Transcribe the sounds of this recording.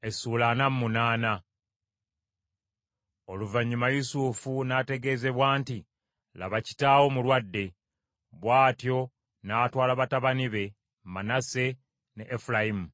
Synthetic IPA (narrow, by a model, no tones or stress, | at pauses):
e̞suːlanamːunaːna | o̞luvaɲːumajusufunate̞ɡe̞ːze̞βwaːnti | la̰βaci̥tawo̞mulwadːe̞ | βwaːtjo̞ | naːtwaːlaβataβaniβe̞ | manase̞ | neʔːfulajimu